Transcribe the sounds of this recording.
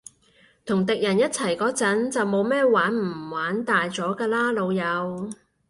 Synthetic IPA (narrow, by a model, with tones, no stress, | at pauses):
t̪ʰʊ˨˩ŋt̪ɪ˨k̚jɐ˨˩njɐ˥t̚t͡sʰɐ˨˩jkɔː˨˥t͡sɐ˨˥nt͡sɐ˨wmo˨˧wmɛː˥waː˨˥nm̩˨˩waː˨˥nt̪aː˨jt͡sɔː˨˥kaː˧laː˥lo˨˧wjɐ˨˧w